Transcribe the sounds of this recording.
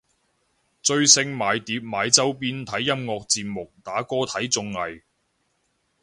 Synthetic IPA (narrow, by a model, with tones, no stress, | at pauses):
t͡sɵ˧ɥsɪ˧ŋmaː˨˧jt̪iː˨˥p̚maː˨˧jt͡sɐ˥wpiː˥nt̪ʰɐ˨˥jːɐ˥mŋɔː˧k̚t͡siː˧p̚mʊ˨k̚t̪aː˨˥kɔː˥t̪ʰɐ˨˥jt͡sʊ˧ŋlɐ˨j